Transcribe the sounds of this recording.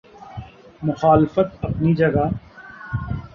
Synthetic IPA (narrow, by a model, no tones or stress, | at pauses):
mʊxaːlɪfət̪̚ɐpnid͡ʒɐɡa